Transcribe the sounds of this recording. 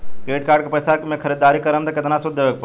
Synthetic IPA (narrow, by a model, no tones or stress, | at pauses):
keʈkaːɾɖkepɾəɪst̪ʰamẽkʰəɾid̪ːaɾikəɾəmt̪əkɪt̪nasud̪ːeʋek̚pə